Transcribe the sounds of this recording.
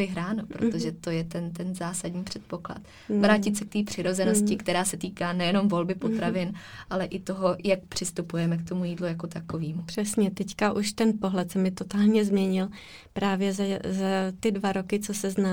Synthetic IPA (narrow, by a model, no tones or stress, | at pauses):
ɪɦɾaːnopɾo̰t̪oʒɛt̪o̞jɛt̪ɛnt̪ɛnzaːsadɲiːpr̝̥ɛt̪̚po̞kla̰t̪ | vɾaːcɪt̪sɛk̚t̪iːpr̥ɪɾo̞zɛnoscɪkt̪ɛɾaːsɛt̪iːkaːnɛjɛno̞mvo̞lbɪpo̞t̪ɾavɪnʔalɛʔɪt̪o̞ɦo̞jak̚pr̝̥ɪst̪upujɛmɛkt̪omujiːdlujako̞t̪akoviːmupr̥ɛsɲɛt̪ɛckaʔuʃt̪ɛnpo̞ɦlɛt̪sɛmɪt̪o̞t̪aːlɲɛzmɲɛɲɪl | pɾaːvjɛzazat̪ɪdvaɾo̞kɪt͡sosɛznaː